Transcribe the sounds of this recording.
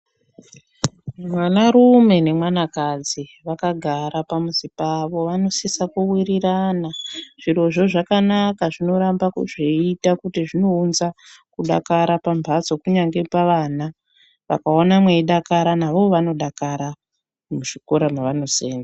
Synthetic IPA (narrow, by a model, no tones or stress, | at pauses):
mwanaɾume̞ne̞mwanakad͡ziʋakaɡʱaɾapamusipaʋo̞ʋano̞sisakuwiɾiɾanaʐ̥iɾo̞ʐo̞ʐakanakaʐino̞ɾambakṵʐiitakutiʐino̞unzakuɗa̰kaɾapambʱat͡so̞kuɲaŋɡe̞paʋana | ʋa̰kaonamweiɗakaɾanaʋo̞ʋano̞ɗakaɾa | muʐiko̞ɾamaʋano̞seːna